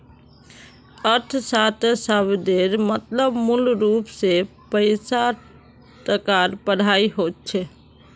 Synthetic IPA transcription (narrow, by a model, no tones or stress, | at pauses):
əɾt̪ʰsat̪səbd̪eɾmət̪ləbmulɾupse | pəɪsa | t̪əkaɾpəɽ̤aiɦot̪̚t͡ʃʰɛ